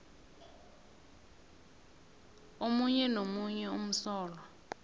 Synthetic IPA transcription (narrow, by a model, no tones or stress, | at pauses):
omuɲɛnomuɲɛum̩sɔːla